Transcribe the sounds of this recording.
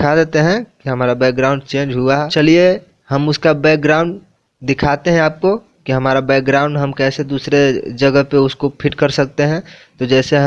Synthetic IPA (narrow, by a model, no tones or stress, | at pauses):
kʰad̪eːt̪eɦɛ̃kiɦɐmaːɾabɛːk̚ɡɾaːʊ̃ɳɖt͡ʃẽːnd͡ʒɦʊaɦɛt͡ʃɐlie | hɐmʊskabɛːk̚ɡɾaːʊ̃ɳɖ | d̪ɪkʰaːt̪eɦɛ̃aːp̚ko | kiɦɐmaːɾabɛːk̚ɡɾaːʊ̃ɳɖɦɐmkɛːsed̪uːsɾed͡ʒɐɡəɦpeʊskopʰɪʈkɐɾsɐk̚t̪eɦɛ̃t̪od͡ʒɛːseɦ